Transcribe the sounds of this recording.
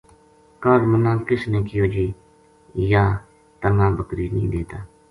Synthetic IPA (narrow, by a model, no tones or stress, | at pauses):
kəɾmənãːkɪsnẽːkɪjoːd͡ʒiː | jaː | t̪əŋãːbəkɾiːnḭ̃ːd̪eːt̪aː